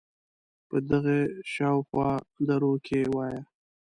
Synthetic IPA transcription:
pəd̪əɣeʃɑwxwɑlaɾokʰewɑja

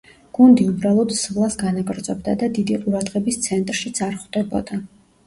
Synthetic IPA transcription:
ɡ̥und̪iubɾalˠɔd̪svlˠasɡanaɡʼɾd̪zʼɔbd̪ad̪ad̪id̪iqʼuɾad̪ʁɛbist̪sʰɛnt̪ʼɾʃit̪sʼaɾχd̪̥ɛbɔ̰d̪a

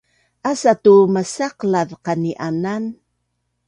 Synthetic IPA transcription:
ʔasatuməsaqlaðqaniʔanan

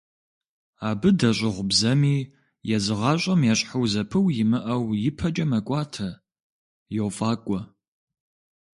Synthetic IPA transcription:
aːbɨdɐɕʷʼɪʁʷʊbzɐmiː | jɛzɨʁɑːɕʼɐmjɛɕʼħɐwzɐpʰɨwjɪmɨʔɐwjɪpʰɐt͡ʃʼɐmɐkʷʼɑːtʰɐ | jɛwfʼaːkʷʼɔ

